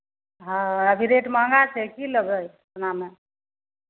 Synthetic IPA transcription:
ɦãəbʱiɾeʈmãŋɡat͡ʃʰɛkiləɡəj | tname

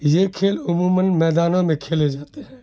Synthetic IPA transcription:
jeːkʰeːlʊmuːmənmɛːd̪aːnõmẽkʰeːled͡ʒaːt̪eɦɛː

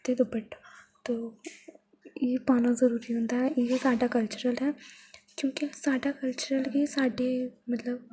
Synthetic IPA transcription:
t̪ed̪obəʈt̪oː | jepaːnazɐɾuːɾiɦõːnd̪aɦɛjesaːɖakɐlt͡ʃʊɾəlɦɛːkjõːkisaːɖakəlt͡ʃʊɾəlkisaːɖemɐt̪ləb̚

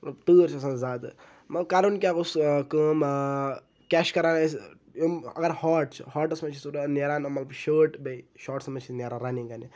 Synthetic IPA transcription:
mɐt̪lɐbt̪əːɾt͡ʃʰɐsãːnzaːd̪ɨ | mɐt̪lɐb̚kaɾunkʲakuskəːm | kʲɛʃkɐɾaːns | jomɐ̰ɡɐɾhɔːʈt͡ʃʰɨhɔːʈɐsmɐt͡ʃʰisuɾneɾaːnɐmɐt̪lɐbʃəːʈbɐiʃɔːʈsmɐt͡ʃʰineɾãɾanikɐni

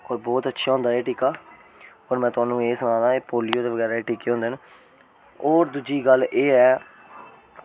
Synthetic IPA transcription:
oːɾbɔːt̪ətːʃʰaːɦʊ̃nd̪aːɛːʈiːkaː | oːɾmɛ̃ːt̪ʊaːnũːeːsʊnãːd̪aːeːpoːlɪjoːd̪eːʋəɡɛːɾaːeːʈiːkːeːɦõnd̪eːn | oːɾd̪ud͡ʒiːɡəlʔeːɛː

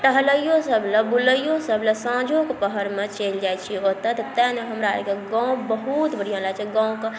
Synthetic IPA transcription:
ʈəɦləjosəbʱləbuləjosəbʱlesə̃d͡ʒʱokepəɦəɾmet͡ʃeld͡ʒajt͡ʃʰiot̪ət̪t̪ɛ̃neɦəmɾaa̰d͡ʒkeɡɔ̃bəɦut̪bəɽijoɦlat͡ʃʰɛɡãw̃ke

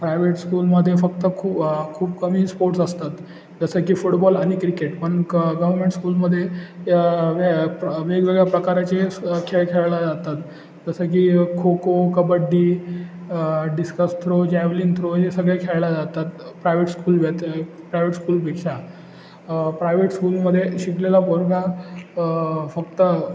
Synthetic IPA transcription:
pɾajʋeʈskuːlməd̪ʱːjefək̚t̪əkʰuːpkʰuːpkəmiːspoɾʈsəst̪at̪ | d͡zəsəkiːfuʈbɔlaɽ̃ikɾikeʈpəɳɡəʋəɾmeɳʈskuːlməd̪ʱːje | ʋʋeɡʋeɡɭjapɾəkaɾat͡ɕekʰeɭkʰeɭlad͡zat̪at̪ | d͡zəsək̬iːkʰokokəbəɖːi | ɖiskəst̪ʰɾod͡ʑæʋliːnt̪ʰɾoɦesəɡɭjakʰeɭlad͡zat̪at̪pɾajʋeʈskuːlʋet̪ | pɾajʋeʈskuːlpekɕa | pɾajʋeʈskuːlməd̪ʱːjeɕiklelapoɾɡã | fəkt̪ə

